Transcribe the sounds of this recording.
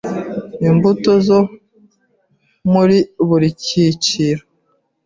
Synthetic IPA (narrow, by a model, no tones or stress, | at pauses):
imbutozo | muɾiβuɾiciciɾo